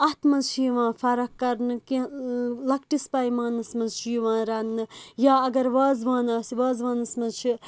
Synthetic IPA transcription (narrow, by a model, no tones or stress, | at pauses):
ɐt̪ʰmɐzt͡ʃʰiːʋãːfɐɾɐkːɐɾnɨkilɐkʈispɐːjmaːnɨsmɐzʃʰiːʋãːɾɐnːɨjaːɐɡɐɾʋaːzʋãːnaːsiʋaːzʋaːnɐsmɐzt͡ʃʰi